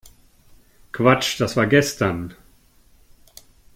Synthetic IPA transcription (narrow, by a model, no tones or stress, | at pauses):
kv̥at͡ʃd̥asv̥aːɐɡɛstɐn